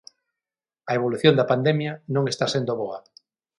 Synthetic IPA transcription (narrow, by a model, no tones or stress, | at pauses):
ɐeβ̞oluθjond̪apand̪emjanõŋest̪asend̪oβoɐ